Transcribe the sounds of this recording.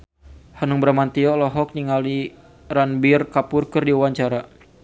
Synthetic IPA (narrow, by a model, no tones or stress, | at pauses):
hanuŋbəɾamant̪iɔlɔɦɔk̚niŋali | ɾanbirkapʊrkɨrdiuwaɲt͡ʃaɾa